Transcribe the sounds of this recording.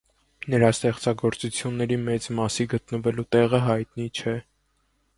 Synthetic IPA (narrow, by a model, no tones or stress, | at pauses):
nəɾɑst̪ɛχt͡sɑɡɔɾt͡sut͡sʰjunːɛɾimɛt͡smɑsiɡət̪nəvɛlut̪ɛʁəɦɑjt̪nit͡ʃʰɛ